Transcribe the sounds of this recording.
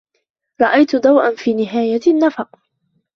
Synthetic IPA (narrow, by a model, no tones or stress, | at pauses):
ɾˤɑʔajt̪ʊd̪ˤɑwʔanfiːnɪɦaːjanːafɑq